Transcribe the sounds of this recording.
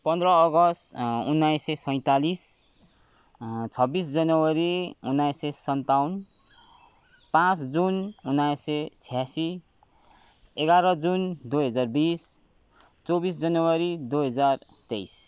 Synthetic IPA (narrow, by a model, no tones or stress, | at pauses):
pʌnd̪rʌːɡʌst̪unːajsesʌj̃t̪alis | t͡sʰʌbisd͡zʌnʌwʌɾiunːajsesʌnt̪aun | pãt͡sd͡zununːajset͡sʰijasi | eɡaɾʌd͡zund̪uɦʌd͡zarbis | t͡sobis̬d͡zʌnʌwʌɾid̪uɦʌd͡zar | t̪ejs